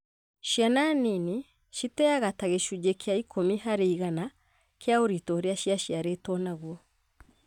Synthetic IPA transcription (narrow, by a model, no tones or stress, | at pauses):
ʃjananini | ʃitɛaɣataɣeʃud͡ʒekʰeaikʰomiɦaɾeiɣana | kʰeaoɾitɔɾeaʃiaʃiaɾetɔnaɣwɔ